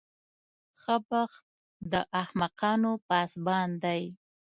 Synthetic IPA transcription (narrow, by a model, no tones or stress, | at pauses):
xəbaxt̪̚ | d̪əʔahmaqɑnopɑsbɑnd̪aj